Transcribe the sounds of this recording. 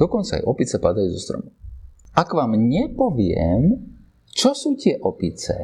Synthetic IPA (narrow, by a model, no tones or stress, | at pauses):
ɔkɔnt͡sa̰ːjʔɔpit͡sɛpad̪ajuːzɔst̪ɾɔ̰muakʋaːmɲɛpɔʋɪɛ̰m | t͡ʃɔsuːcɪɛʔɔpit͡sɛ̰